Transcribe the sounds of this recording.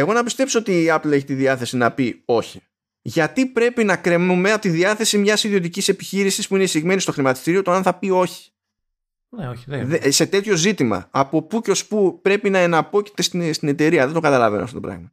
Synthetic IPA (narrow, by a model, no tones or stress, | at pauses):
e̞ɣo̞nɐpist̪e̞pso̞o̞t̪iɐple̞çit̪iðiɐθe̞sinɐpio̞çi | ʝɐt̪ipɾe̞pinɐkɾe̞mnume̞ɐpot̪iðiɐθe̞simɲɐsiðio̞t̪icise̞pi̥çiɾisispuinesiɣme̞nist̪o̞xɾimɐt̪i̥st̪iɾio̞t̪oɐnθɐpio̞çi̥ | noðse̞t̪e̞t̪ço̞zit̪imɐ̰ɐpo̞puceo̞spupɾe̞pinɐe̞nɐpo̞ci̥t̪e̞st̪ist̪ine̞t̪e̞ɾiɐðed̪oɡɐt̪ɐlɐ̰veno̰ft̪oopɾɐ̰ɣmɐ